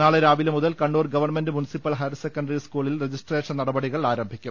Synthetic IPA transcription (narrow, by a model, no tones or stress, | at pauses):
aːɭeɾaːʋilɐmuðɐlkɐɳɖoːrɡɐʋɐrɳmendɨmunisipːɐlɦɐjrsekːɐɳɖɐɾiskuːɭilred͡ʑisʈreːʂɐnɐɽɐbɐɽiɣɐɭaːɾɐmbʱikʲːum